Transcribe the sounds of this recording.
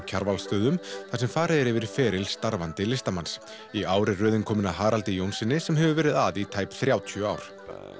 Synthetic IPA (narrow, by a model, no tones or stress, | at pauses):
cʰaɾvalst̪œːðʏmθḁsɛmfaːɾɪðɛɾɪvɪɾfɛːɾɪlst̪aɾvant̪ɪlɪst̪amans | iaːwɾɪrʏːðɪnkʰɔːmɪnaɦaːɾalt̪ɪjownsɪnːɪsɛmɦɛvʏvɛːɾɪða̰ðit̪ʰaːjpθɾjaːwt̪ʰʏa̰ːwɾ̥